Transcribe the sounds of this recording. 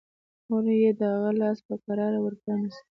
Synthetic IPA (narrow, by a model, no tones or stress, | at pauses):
xoɾjed̪əhaɣalɑspəkaɾɑɾawəɾɡanas